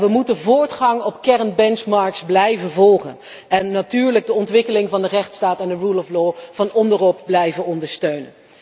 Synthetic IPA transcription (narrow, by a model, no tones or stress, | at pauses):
ʋəmutənvʊːɹtχɑŋɔpkɛɹnbɛnt͡ʃmɑɹksblɛjvənvɔlˠχə̰n | ɛnːatyːɹləɡ̚dəɔntʋɪkəlɪŋvɑndərɛχtstaːtɛndərulɔfloːvɑnɔndərɔp̚blɛjvənɔndəɹstøɥnə̰n